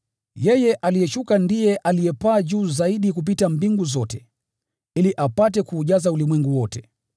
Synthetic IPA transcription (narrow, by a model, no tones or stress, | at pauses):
jɛjɛʔalijɛʃukandijɛʔalijɛpaːʄuːzaiɗikup̬itambiŋɡuzɔtɛ | iliʔapatɛkuːʄazaulimwɛŋɡuwɔtɛ